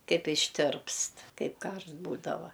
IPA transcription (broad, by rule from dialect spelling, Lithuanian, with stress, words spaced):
ˈkɐɪp ɪʃʲˈtʲɪrpst ˈkɐɪp ˈkɐrʃt ˈbuːdɐʋɐ